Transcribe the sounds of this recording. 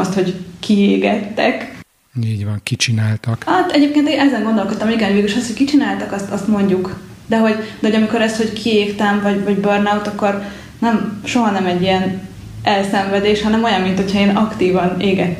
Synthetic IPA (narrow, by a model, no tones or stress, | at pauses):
st̪ho̞ɟkieːɡɛt̪ːɛk | iːɟvɒŋkit͡ʃinaːlt̪ɒkɒt̪ːɛɟeːp̚keːnt̪eːnɛzɛŋɡo̞nd̪o̞lko̞t̪ːɒmiɡɛnɦoveːɡiʃɒst̪ho̞ckit͡ʃinaːlt̪ɒkɒst̪ɒst̪mo̞ɲɟuk | d̪ɛɦo̞ɟd̪ɛɦo̞ɟɒmiko̞ɾɛst̪ho̞ckʰieːkt̪ɛɱvɒɟvɒɟbørnawt̪ɒkːo̞r | nɛmʃo̞ɦɒnɛmɛɟːijɛn | ɛlsɛɱvɛd̪eːʃhɒnɛmo̞jɒmmint̪ho̞cʰhɒeːnɒkt̪iːvɒneːɡɛt̪ː